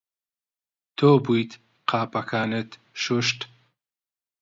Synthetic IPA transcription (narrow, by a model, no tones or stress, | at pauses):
t̪ʰoːbujt̪ | qʰaːpɐkʰaːnɨt̪ | ʃuʃt̪